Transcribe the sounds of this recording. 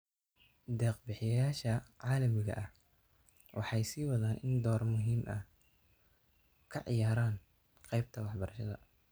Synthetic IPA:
d̪ɛːqbɪħɪjɐjjaːʃɐʕɑːlɐmɪɣɐ̰ʔɐh | wʔɑ̰ħɑjsiːwɐðaːnʔɪnd̪ɔːrmʊɦiːmʔɐ̰h | kʰɐʕɪ̰jaːɾaːn | qɛjb̚t̪ʰɐwɑħbɐɾɐʃɐðɐ̰

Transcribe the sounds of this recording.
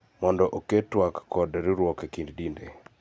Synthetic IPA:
mɔndɔʔoketwakːɔdɾɪɾwɔkekinddinde

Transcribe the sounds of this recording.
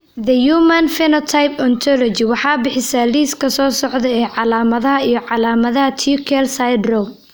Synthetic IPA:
ðɐjuːmɐnfɛnɔt̪ʰajpʰɔnt̪ʰɔlɔt͡ʃɪwɑħɑːbɪħɪsaːliːskʰɐsɔːsɔʕd̪ɛɛːʕɑlaːmɐðɐɦɐijɞʕɑlaːmɐðɐɦɐt̪ʰikʰɛlsajd̪rɔ

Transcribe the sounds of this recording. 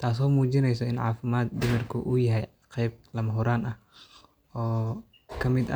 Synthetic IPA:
t̪ʰaːs̬ɔːmuːt͡ʃɪnɛjsɔɪnʕɑ̰ːfɪmaːd̪̚d̪ɪmɪrkʰʊʔʊjɐɦɛj | qɛjb̚lɐmɐɦʊɾaːnɐh | ɔː | kʰɐmɪd̪ɐ̰

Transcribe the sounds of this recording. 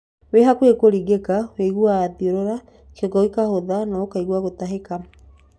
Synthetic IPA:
weɦakwekoɾiɣekaweɣuaːðioɾoɾa | keɣɔikahoðanaokaiɣwaɣotaɦeka

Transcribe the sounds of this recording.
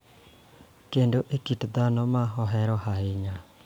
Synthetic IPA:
kendoʔekitd̪anɔmaɦɔɦɛɾɔhaeɲa

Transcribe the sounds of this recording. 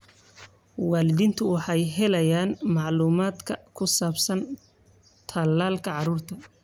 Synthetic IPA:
wɑːlɪðiːnt̪ʰʊwɑħɑjɦɛlɐjaːnmɑʕluːmaːd̪kʰɐkʰʊsaːbsɐn | t̪ʰɐlːaːlkʰɐʕɑɾuːrt̪ʰɐ

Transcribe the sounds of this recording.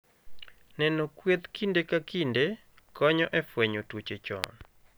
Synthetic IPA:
nɛnokwet̪kindekakinde | kɔɲɔʔɛfweɲotwot͡ʃet͡ʃɔ̰n

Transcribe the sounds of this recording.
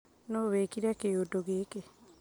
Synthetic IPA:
noβeːkiɾakeotoɣeːke

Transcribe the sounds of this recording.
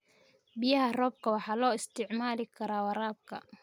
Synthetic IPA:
bɪjɐɦɐrɔːb̚kʰɐwɑħɑːlɔːɪst̪ʰɪʕmaːlɪkʰɐɾaːwɑɾaːb̚kʰɐ̰

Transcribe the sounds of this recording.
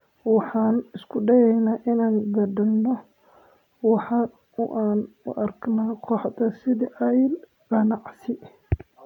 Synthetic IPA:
wɑħɑːnɪskʰʊɖɐjɛjnaːʔɪnaːŋɡ̪ɐɖɐlnɔ | wɑħɑ | ʊʔaːnʊ̰ʔɐrɡnaːqʰɔħd̪ɐsɪðɪʔɐjl | ɡɑnɑʕsɪ

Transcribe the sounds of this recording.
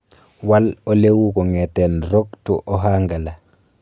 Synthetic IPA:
walolewukɔŋɛtɛnɾoktṵʔɔɦaŋɡala

